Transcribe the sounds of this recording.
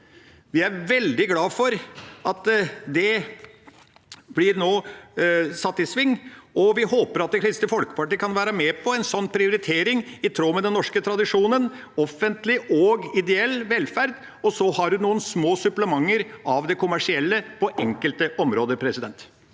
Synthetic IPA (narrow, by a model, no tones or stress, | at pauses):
ʋɪæɾʋɛld̪ɪɡlɑːfɔɾɑt̪d̪ɛ | blɪɾnoː | sɑt̪ːɪsʋɪŋːɔʋɪhoːpəɾɑt̪̚d̪ɛkʰɾɪst̪əfɔlkə̥pɑʈiːəkʰɑnʋæːɾəmɛpʰɔɛnsɔnːpʰɾɪʊɾɪt̪ʰeːɾɪŋɪt̪ʰɾoːmɛd̪ɛnːɔʂkət̪ʰɾɑd̪ɪʂuːnən | ɔfənt̪lɪʔɔɡɪd̪ɛɛlːʋɛlfæɾd̪ | ɔsɔhɑɾhʉnuːənsmoːsʉpləmɑŋːəɾʔɑʋd̪ɛkʰʊmæʂɪɛlːəpʰɔʔɛŋkəlt̪əʔɔmɾoːd̪əpʰɾɛsɪd̪ɛnt̪